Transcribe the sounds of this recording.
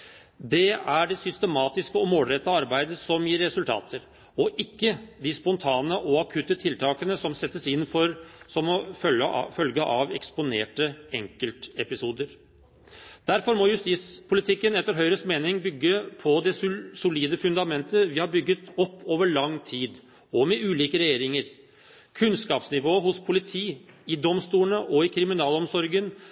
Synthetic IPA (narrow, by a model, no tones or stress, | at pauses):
d̪ɛæɖɛsʏst̪əmɑːt̪ɪskəɔmoːlɾɛt̪ːɑɑɾbæɪd̪əsɔmjiːɾːɛsʉlt̪ʰɑ̰ːt̪ʰəɾ | ɔʔɪkːəd̪ɪspɔnt̪ʰɑːnəʔɔɑkʰʉt̪ːət̪ʰɪlt̪ʰɑːkənəsɔmsɛt̪ːəsɪnːfɔɾsɔmɔfœfœlɡəʔɑʋɛ̰kspʊnḛːʈəɛŋkəlt̪ɛpɪsuːd̪əɾ | d̪̥æɾfɔɾmɔjʉst̪iːspʰʊlɪt̪ʰɪkːənɛt̪ːəɾɦœʏɾəsmeːnɪŋbʏɡːəpʰɔd̪ɛsʊliːd̪əfʉnd̪ɑmɛnt̪əʋɪhɑɾbʏɡːət̪ɔpːoːʋəɭɑŋːt̪ʰiːd̪ | ɔmɛʔʉːliːkəɾɛjeːɾɪŋəɾ | kʰʉnskɑːpsnɪʋoːɦʊspʰʊlɪt̪ʰiːɪd̪ɔmst̪uːənəʔɔɪkʰɾɪmɪnɑːlɔmsɔɾɡən